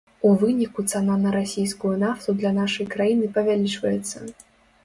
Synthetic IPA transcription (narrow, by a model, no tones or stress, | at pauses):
uvɨnʲikut̪sananɐɾasʲijskujunaft̪ud̪lʲɐnaʂɐjkɾajinɨpɐvʲalʲit͡ʂvɐjɛt̪sːɐ